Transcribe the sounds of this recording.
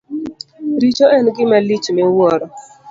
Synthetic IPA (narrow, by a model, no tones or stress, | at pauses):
ɾit͡ʃoɛnɡɪmalit͡ʃmɛwɔɾɔ